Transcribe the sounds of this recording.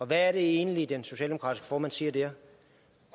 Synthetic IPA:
ɒ̽ʋæːɐɾe̝e̝ːnəlid̥enso̝ɕɛːld̥eokʰɑ̈ːdisɡ̥ə̥fɒːmænsiːɐd̥eɐ̰

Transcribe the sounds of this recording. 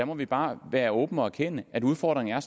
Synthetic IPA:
æmɒ̽ʋib̥ɑ̈ːʋæːɐɔ̽ːb̥n̩ɒ̽æɐkʰenəæduð̞ˠfɒ̰ːd̥ʁeŋ̩æɐs

